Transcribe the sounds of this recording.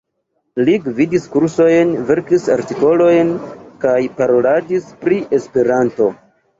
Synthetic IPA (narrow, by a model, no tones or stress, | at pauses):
liɡvidiskuɾso̞jnve̞ɾkisa̰ɾtiko̞lo̞jnkajpaɾo̞ladispɾiʔe̞spe̞ɾanto̞